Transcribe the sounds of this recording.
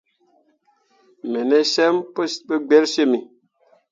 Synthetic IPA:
me˨ne˦sɛ˦mpɓə˦ɡ͡be˦lʃe˦˨mi˨

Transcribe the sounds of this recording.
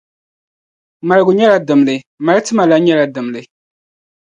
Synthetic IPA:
ma˨ɾɨ˨ɡʊ˨ɲɛ˦la˦dɨ˨mlɨ˨ | ma˨ɾɨ˦tɨ˦ma˨la˦ɲɛ˦la˨dɨ˨mlɨ˨

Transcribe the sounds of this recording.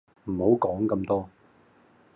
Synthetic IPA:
m̩˨˩ho˨˥wkɔː˨˥ŋkɐ˧mt̪ɔː˥

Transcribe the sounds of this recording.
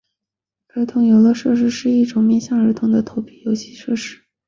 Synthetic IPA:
ə˞˧˥t̪ʰʊ˧˥ŋjo˧˩ʊlə˧ʂɤ˥˧ʂ̬ɻ̩˥˧ʂɻ̩˥˧i˥˩ʈ͡ʂʊ˨˩˦ŋmjɛ˥˧nɕjɑ˥˩ŋə˞˧˥t̪ʰʊ˧˥ŋd̪ə˨t̪ʰo˧˥ʊpʰi̥˥˩jo˧˥ʊt͡ɕʰi̥˧˥ʂɤ˥˧ʂɻ̩˥˩

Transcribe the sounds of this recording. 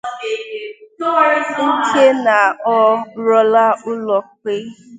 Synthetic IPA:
n̩˦tʰe˦na˨ɔ˧ɾɔ˦la˦ʊ˦lɔ˨ke˦

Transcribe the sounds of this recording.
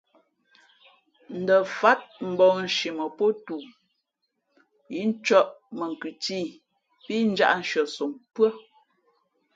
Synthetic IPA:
n̩˨də˨fa˨˦t̚m̩˨bɔ˨ŋn̩˨ʃi˨mə˨po˦tu˨ | ji˦n̩˦t͡ʃɔ˦ʔmə˨ŋ̩˨kʉ˨ti˦˨ | pi˦n̩˦d͡ʒa̰˦ʔn̩˨ʃə˨so˨ŋpə˦

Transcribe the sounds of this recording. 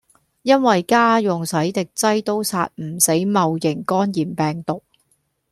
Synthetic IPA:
jɐ˥nwɐ˨jkaː˥jʊ˨ŋsɐ˨˥jt̪ɪ˨k̚t͡sɐ˥jt̪o˥wsa̰ː˧t̚m̩˨˩se˨˥jmɐ˨wjɪ˨˩ŋkɔː˥njiː˨˩mpɛː˨˩ŋt̪ʊ˨k̚

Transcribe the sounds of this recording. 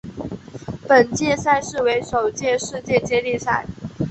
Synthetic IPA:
pə˨˩nt͡ɕjɛ˥˧sa˥˧ɪʂɻ̩˥˩we˧˥ɪʂo˨˩ʊt͡ɕjɛ˥˧ʂɻ̩˥˧t͡ɕjɛ˥˧t͡ɕjɛ˥li˥˧sa̰˥˩ɪ

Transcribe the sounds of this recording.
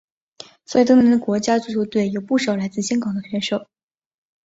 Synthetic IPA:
swɔ˧˥i˨˩t̪ɤ˥nə˥˩˧ə˧˥kwɔ˧˥t͡ɕja˥t͡su˥˩t͡ɕʰu˧˥ʊt̪we˥˩ɪjo˨˩ʊpu˥˩ʂɑ˨˩ʊla˧˥ɪt͡sɹ̩˥˩ɕjɑ˥ŋkɑ˨˩ŋd̪ə˧kʰɛ˥nʂo˨˩˦ʊ

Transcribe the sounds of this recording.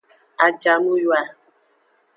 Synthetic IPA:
a˨d͡ʒa˨nu˦jwa˨

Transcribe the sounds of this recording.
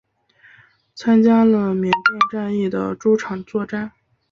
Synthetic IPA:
t͡sʰa˥nt͡ɕja˥lə˧mjɛ˧˥ŋt̪ɛ˥˧nʈ͡ʂa˥˧ni˥˩d̪ə̰˩ʈ͡ʂu˥ʈ͡ʂʰɑ˨˩ŋt͡swɔ˥˧ʈ͡ʂa˥˩n

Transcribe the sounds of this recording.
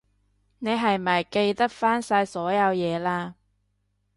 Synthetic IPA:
ne˨˧jɦɐ˨jmɐ˨˩jke˧jt̪ɐ˥k̚faː˥nsaː˧jsɔː˨˥jɐ˨˧wjɛː˨˧laː˧

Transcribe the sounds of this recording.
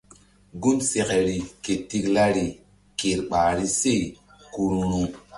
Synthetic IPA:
ɡu˦nse˨ke˨ɾi˨ke˨ti˦kla˦ɾi˨ | ke˨ɾɓaː˨ɾi˦se˦˨ | ku˨ɾu˦ɾu˦

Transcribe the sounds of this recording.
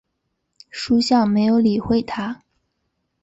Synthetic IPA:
ʂu˥ɕjɑ˥˩ŋme˧˥ɪjo˧˥ʊli˨˩xwe˥˩ɪt̪ʰa˥

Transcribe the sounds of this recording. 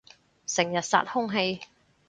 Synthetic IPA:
sɪ˨˩ŋjɐ˨t̚sa̰ː˧t̚hʊ˥ŋɦe˧j

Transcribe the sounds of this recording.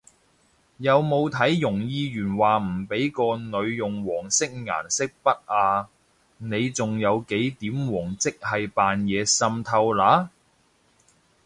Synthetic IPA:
jɐ˨˧wmo˨˧wt̪ʰɐ˨˥jːʊ˨˩ŋjiː˧ɥyː˨˩nwaː˨˩m̩˨˩pe˨˥jkɔː˧nɵ˨˧ɥjʊ˨ŋwɔː˨˩ŋsɪ˥k̚ŋa̰ː˨˩nsɪ˥k̚pɐ˥t̚ʔaː˧ | ne˨˧jt͡sʊ˨ŋjɐ˨˧wke˨˥jt̪iː˨˥mwɔː˨˩ŋt͡sɪ˥k̚hɐ˨jpaː˨njɛː˨˧sɐ˧mt̪ʰɐ˧wlaː˨˥

